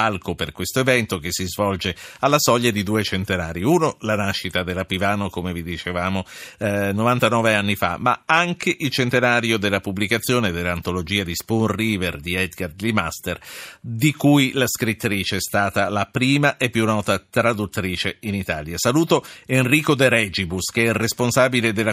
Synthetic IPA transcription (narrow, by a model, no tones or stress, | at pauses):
alkoperkwest̪oevɛnt̪ok̟esːizvɔld͡ʒealːasɔʎːad̪id̪uːet͡ʃent̪enaːɾjiuːnolanaʃːit̪ad̪elapivaːnokomevid̪it͡ʃevaːmonovant̪anɔːveanːifa̰mːa̰aŋk̟eʔilt͡ʃent̪enaːɾjod̪elːapubːlikat̪sːjoːned̪elːaːnt̪olod͡ʒiːad̪ispunriːverd̪iɛd̪ɡard̪lima̰st̪erd̪ikujlaskɾit̪ːɾiːt͡ʃeɛst̪aːt̪alapɾiːmaʔepːjunːɔːt̪at̪ɾad̪ut̪ːɾiːt͡ʃeinit̪aːljasaluːt̪oenriːkod̪eɾɛd͡ʒibusk̟eɛresponsaːbiled̪elːa